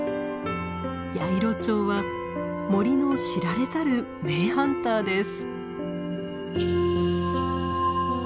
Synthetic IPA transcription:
jaiɾo̞t͡ɕo̞ːβa | mo̞ɾʲino̞ɕiɾaɾe̞taɾɯ̟ | me̞ːhãnt̪aːd̪e̞sɨ̥

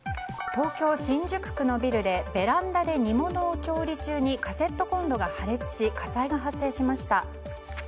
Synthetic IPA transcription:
t̪o̞ːkʲo̞ːɕĩɲd͡ʑɨkɯ̥kɯ̟no̞bʲiɾɯ̟d̪e̞be̞ɾãnd̪ad̪e̞ɲ̟imo̞no̞ːt͡ɕo̞ːɾʲit͡ɕɨːɲ̟ikase̞t̪ːo̞kõ̞nɾo̞ɡahaɾe̞t͡sɨ̥ɕikasaiɡaɦasːe̞ːɕimaɕi̥t̪a

